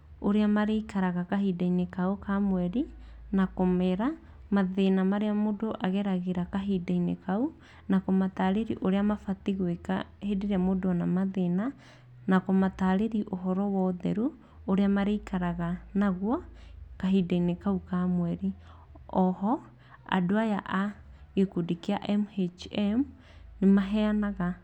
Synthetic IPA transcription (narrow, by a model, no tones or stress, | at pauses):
oɾeamaɾeikaɾaɣakaɦidainekaokamwɛɾinakomeɾa | maðenamaɾeamodoʔaɣɛɾaɣeɾakaɦidainḛkau | nakɔmataːɾeɾiʔoɾeamafatiɣwekahedeɾeamodoanamaðena | nakɔmataɾeɾiʔoɦɔɾɔwɔðɛɾu | oɾeamaɾeikaɾaɣanaɣwakaɦidainekaukamwɛɾi | ɔhɔ | a̰doaja̰ʔaekudikeaʔɛmhet͡ʃɛm | nemaɦɛanaɣa